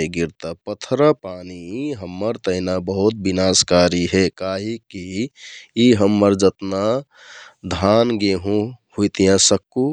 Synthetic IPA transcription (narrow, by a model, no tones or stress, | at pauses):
eɡiɾt̪apət̪ʰɾəpaːniɦəmːəɾt̪əɦɪnabəɦut̪̚binaːskaɾiɦekaɦiki | iɦəmːəɾd͡ʒət̪na | d̪ʱanɡeɦũhujt̪ijãsəkːu